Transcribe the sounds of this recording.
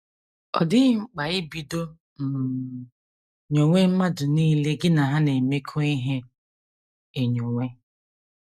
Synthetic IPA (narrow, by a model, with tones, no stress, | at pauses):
ɔ̰˨dɪ˦ŋ͡m̩˨k͡pa˨ɪ˦bi˨do˦ | n̩˨ | ɲo˨ŋʷe˦m̩˦ma˦dʊ˨niː˦le˦ɡɪ˦na˨ɦa˦ne˨me˦kʰo˦i˦ɦe˦ | e˨ɲo˨ŋʷe˦